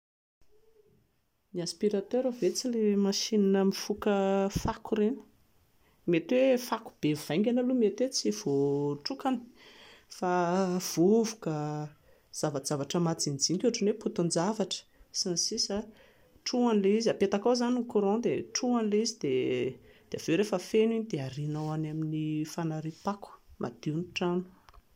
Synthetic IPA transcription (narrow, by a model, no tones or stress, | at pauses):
miaspiɾat̪øɾavet͡silemaʃinanəmifukəfakuɾenə̥ | met̪wefaku̥b̥evuv̥aj̃ŋɡʲanalumet̪wet͡siv̥oʈ͡ʂukani̥fav̥uvukə | z̥avazavaʈ͡ʂəmat͡sind͡zinkʲuaʈ͡ʂinweput̪und͡zavaʈ͡ʂə̥sansisa | ʈ͡ʂuanileizapet̪akawzanikuɾõd̪eʈ͡ʂuanileizid̪e | d̪̥eavewɾefəfeniɲid̪eaɾinawanaminifanaɾipaku̥mʔa̰d̪̥iunʈ͡ʂanu̥